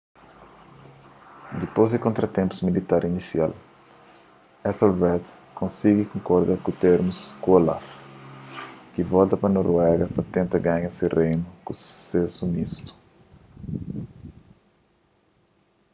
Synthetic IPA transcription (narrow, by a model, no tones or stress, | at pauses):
d̪ipozd̪ɪkõnt̪ɾɐt̪ẽmpu̥zmilit̪aɾʔinisjal | ɛt̪olvɛt̪ | kõnsiɡikõŋkoɾd̪aɾkut̪eɾmuskuola̰f | kivɔlt̪ɐpɐnoɾwɛɡɐpɐt̪ẽnt̪ɐɡãɲɐsirejnukusesumist̪u̥